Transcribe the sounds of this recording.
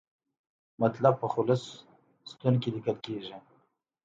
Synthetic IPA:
mat̪lab̚pəxʊlʊs | st̪unkilikəlkeʒi

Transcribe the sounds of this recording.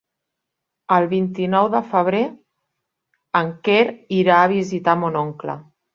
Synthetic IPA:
əlˠβint̪inɔwðəfəβ̞ɾe | əŋkeɾiɾaəβ̞izit̪amunɔŋklə̰

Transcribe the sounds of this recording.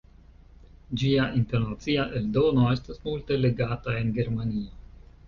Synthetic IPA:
d͡ʒiaʔinte̞ɾnat͡siaʔe̞ldo̞no̞e̞stasmulte̞le̞ɡatae̞nɡe̞ɾmanio

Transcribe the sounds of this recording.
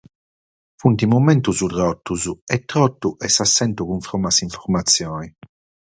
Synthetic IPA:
funt̪imumɛnt̪uzud̪ɾɔt̪ːuzuɛt̪ːɾɔt̪ːuʔɛsːasːɛnt̪uɣuɱfɾɔmasiɱfɔɾmat̪sːjɔːni

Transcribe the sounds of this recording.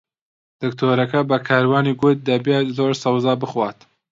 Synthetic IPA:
d̪̥ɨkt̪ʰoːɾɐkɐbɐkʰaːɾwaːniːɡʊt̪̚d̪ɐbet̪zoːɾsɐwzaːbɨxwaːt̪

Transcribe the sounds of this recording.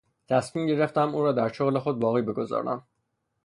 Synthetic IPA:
t̪ʰæsmiːmɟe̞ɾe̞ft̪æmuːɾɒːd̪æɾʃoɣle̞xo̞d̪̚bɒːɣiːbe̞ɡo̞zɒ̰ːɾæ̰m

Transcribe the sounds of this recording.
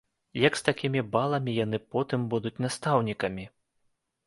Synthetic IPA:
jɐkst̪akʲimʲibalˠɐmʲijan̪ɨpɔt̪ɨmbud̪ut͡sʲnast̪awnʲikɐmʲi

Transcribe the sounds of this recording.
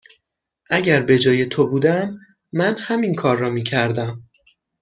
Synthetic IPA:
ʔæɟæɾbe̞d͡ʒɒːje̞t̪ʰobuːd̪æmː | ænhæminkʰɒːɾːɒːmiːcʰæɾd̪æm

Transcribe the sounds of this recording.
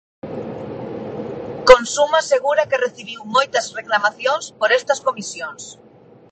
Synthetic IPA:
konsumaseɣuɾakereθiβ̞iwmojt̪ɐzreklamaθjonspoɾest̪ɐskomisjons

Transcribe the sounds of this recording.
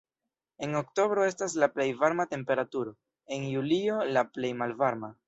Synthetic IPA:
e̞ŋo̞kto̞bɾo̞e̞s̬tas̬laple̞jvaɾmate̞mpe̞ɾatuɾo̞ | e̞njulio̞laple̞jmalvaɾma

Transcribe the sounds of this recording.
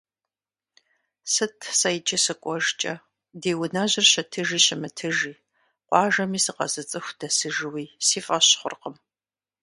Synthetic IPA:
sɨtʰsɐjt͡ʃʰʼɪsɨkʷʼɔʒt͡ʃʼɐ | deːwʊnaʑɪrɕɐtʰɨʒiːɕɪmɨtʰɨʒiː | qʷɑːʒɐmiːsɨqɐ̰zɨt͡sʼɨxʷd̥ɐsɨʒɨwiːsiːfʼɐɕχʷʊ̰rqəm

